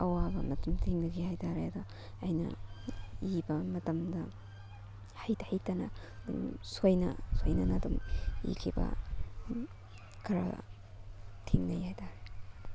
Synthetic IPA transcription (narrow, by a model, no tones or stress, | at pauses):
ɐwabɐ̰mɐtɐmtʰiŋdɐɡihajtaɾeɐdɐ | ɐjnɐ̰ | ibɐmɐtɐmdɐ | hɐjthɐjtɐnɐ | dumsojnɐ̰sojnɐnɐdumḭkʰibɐ̰ | kʰɐɾa̰ | tʰiŋnɐjhajtʰaɾe